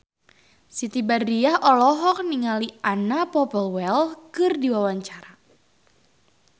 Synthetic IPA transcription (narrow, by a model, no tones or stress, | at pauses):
sit̪ibardiahʔɔlɔɦɔk̚niŋaliʔanapɔpəlwɛlkɨrdiwawaɲt͡ʃaɾa